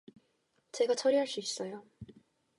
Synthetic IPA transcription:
t͡ɕe̞ɡat͡ɕʰʌɾiɦaɭs͈uis͈ʌjo

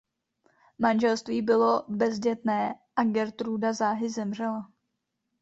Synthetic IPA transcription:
manʒɛlst̪viːbɪlo̞bɛzɟɛt̪nɛːʔaɡɛɾt̪ɾudazaːɦɪzɛmr̝ɛla

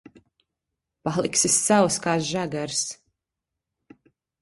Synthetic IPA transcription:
palˠiksisːawskaːsʒaɡaɾs

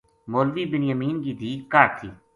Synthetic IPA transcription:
moːlʋiːbɪnjəmiːnɡiːd̪iːkaːɾt̪ʰiː

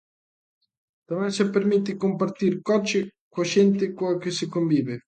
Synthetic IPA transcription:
d̪̥amɛsapːermit̪ːikompart̪irkɔt͡ʃːɪkwaʃɛnt̪ɪkwakɪsɪkoɱviːvɪ

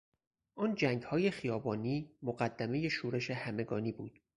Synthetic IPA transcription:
ʔɒːnd͡ʒæŋɡhɒːje̞xijɒːbɒːniːmoɢæd̪ːæme̞je̞ʃuːɾe̞ʃe̞hæme̞ɡɒːniːbuːd̪̥

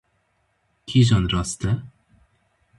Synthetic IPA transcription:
kʲʰiʒɔnɾɔst̪ɛ

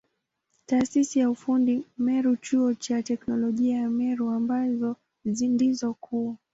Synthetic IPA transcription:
taːsisijaufundimɛɾut͡ʃuɔt͡ʃatɛknɔlɔʄiajamɛɾuambazɔ | zindizɔkʰua

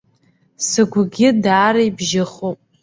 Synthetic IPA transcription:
sɨɡʷɡʲɪdaːɾajbʒɪχopʼ

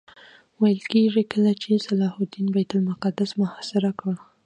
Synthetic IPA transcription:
wajəlkeʐikəlat͡ʃesalɑhʊd̪inbajt̪ʊlmʊqad̪asmʊhasɪɾakəɽ

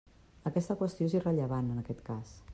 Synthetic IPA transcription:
əkɛst̪əkwəst̪ioezirəʎəβ̞anənəkɛt̪kas

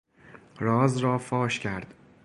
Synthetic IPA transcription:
ɾɒːzɾɒːfɒːʃcʰæɾd̪̥

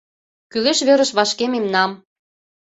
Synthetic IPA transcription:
kyleʃβeɾə̆ʃβɑʃkememnɑm

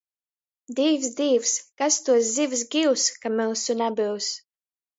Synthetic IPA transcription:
d̪iːvsd̪iːvskast̪uɔs̬zivs̬ɡʲiwskamɛlˠsunæbɨws

